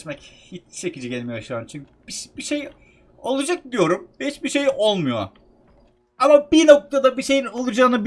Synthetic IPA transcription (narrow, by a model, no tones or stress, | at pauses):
mɛchit͡ʃt͡ʃʰe̞cid͡ʒiɟʲelʲmijoaʃaːɾɯmt͡ʃʰyɲcybiʃb̥iʃe̞j | o̞lˠud͡ʒak̚d̪ijo̞ɾumɛhit͡ʃbiʃe̞jo̞lˠmujo | amabino̞k̚t̪ʰad̪abiʃe̞jino̞lˠud͡ʒaːnɯb